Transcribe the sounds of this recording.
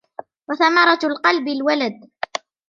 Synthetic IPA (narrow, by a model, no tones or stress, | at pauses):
waθamɑɾˤɑlqɑlbɪlwalad̪̚